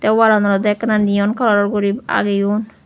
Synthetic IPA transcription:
t̪ɛwwalanɔɾɔd̪ɛknanijɔnkʰalɔɾɔɾɡɔɾiba̰ɡejun

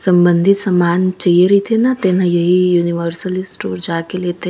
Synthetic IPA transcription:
sɐ̃mbə̃nd̪ʱɪt̪sɐmaːnt͡ʃɐiəɾit̪ʰenat̪eːnãjɐɦijuːniʋəɾsəlɪsʈoːɾd͡ʒaːkeliet̪ʰe

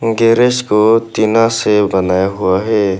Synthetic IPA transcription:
ɡeːɾeʃkot̪inasebɐnaːjaɦʊaɦɛː

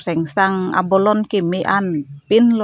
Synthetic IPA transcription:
sɛŋsaŋa̰bɔlɔnkimeʔanpinlɔ

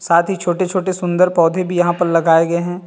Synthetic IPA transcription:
saːt̪ʰɦit͡ʃʰoːʈet͡ʃʰoːʈesʊ̃nd̪əɾpɔːd̪ʱebʱijɐɦãpɐɾlɐɡaːeɡɐeɦɛ̃ː

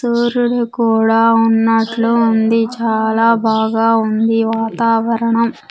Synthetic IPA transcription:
suːɾulukuːɽaːunːɐʈluːnd̪it͡ʃaːlaːbʱaːɡaːund̪iʋaːt̪aːʋɐɾɐɳɐm

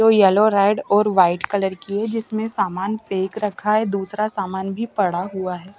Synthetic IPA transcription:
oːjɛːloɾaːɪɖɔːɾʋaːɪʈkɐləɾkiɦɛd͡ʒɪsmẽsaːmaːnpeːkɾɐkʰaɦɛd̪uːsɾasaːmaːnbʱipɐɽaɦuaɦɛː

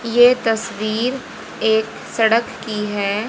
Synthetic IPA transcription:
jet̪ɐsʋiːɾ | eːk | sɐɽəkːiɦɛː

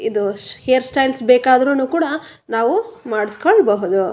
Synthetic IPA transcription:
id̪uhejɐɾsʈɐjlsbeːkaːd̪ɾunuːkuːɽɐ | naːʋumaːɽiskoɭbɐɦud̪u

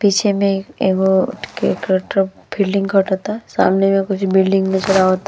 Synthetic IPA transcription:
piːt͡ʃʰemẽeɡokekəʈɾəbɪlɖɪ̃ŋɡkʰɐʈɦoːt̪asa̰ːmnemẽkʊt͡ʃʰbɪlɖɪ̃ŋɡnɐt͡ʃɐɽaɦoːt̪a

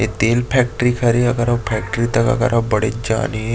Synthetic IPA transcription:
et̪eːlpʰɛk̚ʈɾikʰəɾeəɡəɾapʰɛk̚ʈɾit̪əkə̰ɡə̰ɾabəɽḛd͡ʒa̰ːni

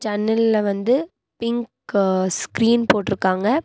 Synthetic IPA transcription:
t͡ʃɐnːɐlɪlɐʋɐnd̪ɯ | pɪŋk | skɾiːnpoːʈːɪɾɯkːaːŋɡɐ

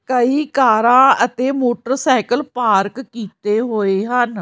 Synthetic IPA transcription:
kəiːkaːɾãːət̪eːmoːʈəɾsɛːkəlpaːɾkkiːt̪eːɦoːeːɦən

